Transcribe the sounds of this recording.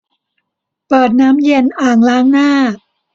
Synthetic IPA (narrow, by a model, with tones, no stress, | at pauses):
pɤː˨˩t̪̚naː˦˥mje˧nʔaː˨˩ŋlaː˦˥ŋnaː˥˩